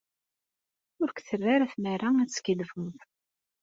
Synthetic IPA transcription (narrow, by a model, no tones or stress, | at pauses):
ʊɾkʷθərːaɾæfmæɾaæt͡sːkilfəmθ